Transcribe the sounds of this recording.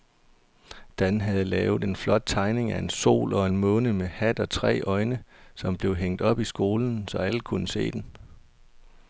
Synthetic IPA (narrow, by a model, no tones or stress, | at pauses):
d̥ænɦæð̞̩ˠəlɛːʊð̩ˠe̝nflɒ̽d̥̚t͡sʰɑ̈ɪne̝ŋæe̝nso̝̰ːlɒ̽e̝nmɔ̽ːnəmehæd̥ɒ̽t͡sʰʁɛ̰ːʔɒ̽ɪnəsɒ̽mb̥le̝ʊɦeŋ̰d̥ɒ̽b̥isɡ̥o̝ːln̩sɒ̽æləkʰunəse̝̰ːd̥en